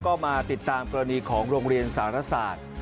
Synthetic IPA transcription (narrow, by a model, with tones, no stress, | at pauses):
kɔː˥˩maː˧t̪i˨˩t̪ːaː˧mkɔː˧ɾa˧niː˧kʰɔː˩˦ŋɾoː˧ŋɾi˧ənsaː˩˦ɾa˧˥saː˨˩t̪̚